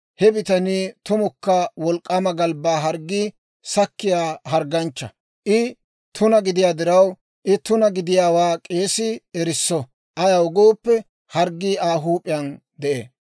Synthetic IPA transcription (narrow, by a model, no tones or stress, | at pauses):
hɛbɪt̪ɐniːt̪ʊmʊkːɐwɔlkʼːɐmɐɡɐlbaːɦɐɾɡːiː | sɐkːɪjaːɦɐɾɡɐnt͡ʃːɐ | ʔɪ | t̪ʊnɐɡɪd̪ɪjaːd̪ɪɾɐw | ʔɪt̪ʊnɐɡɪd̪ɪjaːwaːkʼe̞ːsɪɛɾɪsːɔ | ʔɐjɐwʊɡoːpːɛ | hɐɾɡːiːaːɦuːpʼɪjɐn | d̪ɛʔḛː